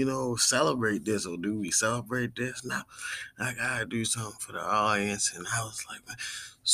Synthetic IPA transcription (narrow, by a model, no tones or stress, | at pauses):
ɨnoʊsɛlˠəbɹeɪt̪̚ðɪsədɨwisɛlˠəbɹeɪt̪̚ðɪsnaʊaɪɡɑɾɨdɨsʌ̃mθɪ̃ŋfə˞ðḭɔɾiɨ̃nsɨ̃naɪwʌz̥laɪk̚mas